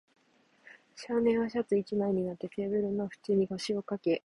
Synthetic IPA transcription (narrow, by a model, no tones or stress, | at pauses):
ɕaːnẽ̞ɰ̃βaɕ̬at͡sɨit͡ɕimaiɲ̟inat̪ːe̞t̪e̞ːbɯ̟ɾɯ̟no̞ɸɯ̟̥t͡ɕiɲ̟iɡoɕio̞kake̞